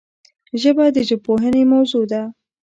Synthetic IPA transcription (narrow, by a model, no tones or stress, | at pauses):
ʒəbad̪əʒəpoɦənemawzud̪a